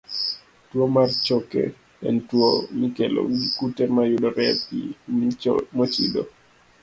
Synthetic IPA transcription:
twomart͡ʃɔkɛ̰ | ɛ̰ntwomikɛlɔ̰ɡikutɛɾmajudɔɾɛpḭmmɔt͡ʃḭdo̰

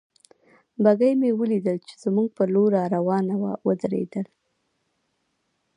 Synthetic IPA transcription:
baɡajmewəlid̪əlt͡ʃe̥z̥muɡ̚pəloɾɑɾawɑnawa̰wəd̪ɾḛd̪əl

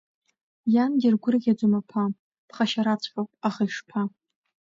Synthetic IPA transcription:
janɡʲɪrɡʷʊrɨɡʲad͡zomapʰa | pχaʃaɾat͡sʷʰʼfapʼaχajʂpʰa

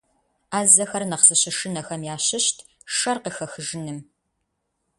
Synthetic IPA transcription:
aːzɐxɐrnɐqsɨɕɪʃɨnɐxɐmjaːɕɪɕtʰ | ʂɐrqəxɐxɨʒɨnɨm

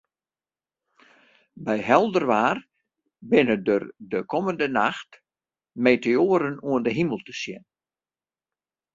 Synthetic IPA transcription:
bɛjɦɛlˠdərʋaːr | bɪnədərdəkʰɔməndənaxt | meːteoəɾənuəndəɦiməlˠtə̥sjɪ̰n

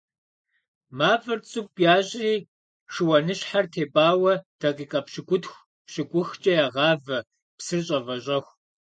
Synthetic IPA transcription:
maːvɐrt͡sʼɨp̚ʼjaːɕʼiː | ʂɨwɐnɨɕħartʰeːbaːwɐd̥ɐqʼiːqʼɐpɕɪɡʷʊtxʷ | pɕɪkʷʼʊxt͡ʃʼɐjaːʁɑːvɐ | psɨrɕʼɐvɐɕʼɐxʷ

